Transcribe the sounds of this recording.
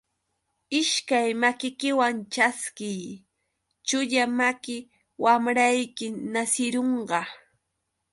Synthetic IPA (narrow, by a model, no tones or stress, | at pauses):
ɪʃkajmakɪkɪwant͡ʃaskɪj | t͡ʃʊʎamakɪ | wamɾajkɪnasɪɾoɴɢɑ